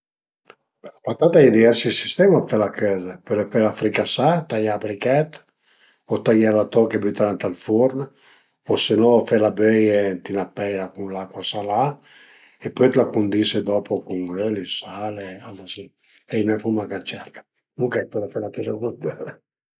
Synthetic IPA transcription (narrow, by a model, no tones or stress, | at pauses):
lapat̪at̪aɛd̪ivɛɾsisist̪ɛmafɛlakøzapelefɛlafɾikasat̪ajabɾikɛt̪ | ot̪ajalat̪ɔkebyt̪aɾant̪alfuɾn | osenɔfɛlabøjet̪inapːɛjɾakunlakwasala | epːøjt̪lakund̪ised̪ɔpokuŋølisalealasi | enɛfumakat͡ʃɛɾkḁ | muŋkɛpɛlefɛlakɛzanant̪ɛle